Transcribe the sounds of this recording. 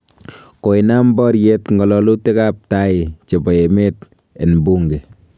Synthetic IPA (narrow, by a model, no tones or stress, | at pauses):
koinambɔɾjetŋɡɔlɔlutekap̚taɪt͡ʃebɔemeːt̚ | enbuŋɡe